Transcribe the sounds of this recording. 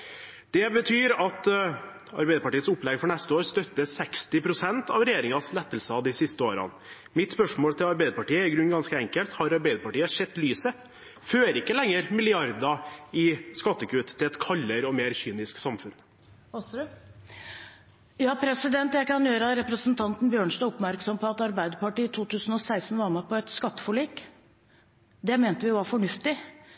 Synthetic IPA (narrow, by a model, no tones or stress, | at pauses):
d̪̥ɛbət̪ʰyːɾɑt̪ | ɑ̰ɾbɛɪd̪əpɑʈiːət̪sʊplɛɡfɔɳɛst̪əoːɾst̪œt̪ːəsɛkst̪ɪpʰɾʊsɛnt̪ɑʋɾɛjeːɾɪŋɑslɛt̪ːəlsɑd̪ɪsɪst̪əoːɾɑ̰n | mɪt̪spœʂmoːlt̪ʰɪlɑɾbɛɪd̪əpɑʈiːəɪɡɾʉnːɡɑnskəɛŋkəlt̪hɑɾɑɾbæɪd̪əpɑʈiːəʂɛt̪ːlyːsə | føːɾɪkːəlɛŋːəɾmɪlɪɑɾd̪ɑɪskɑt̪ːəkʰʉːt̪ʰːɪlɛt̪kʰɑlːəɾɔmeːɾçyːnɪsksɑmfʉn | jɑːpʰɾɛsɪd̪ɛnt̪jæɪkɑnjøːɾəɑɾɛpɾəsnt̪ʰɑnt̪n̩bjøːɳʂnɑɔpmæɾksɔmpʰɔɑt̪ɑɾbæɪd̪əpɑʈiːt̪ʰuːt̪ʰʉːsn̩ɔsæɪst̪n̩ʋɑɾməpʰɔɛt̪skɑt̪ːə̥fɔɭiːk | d̪ɛmeːnt̪əʋɪʋɑɾfɔɳʉft̪ɪ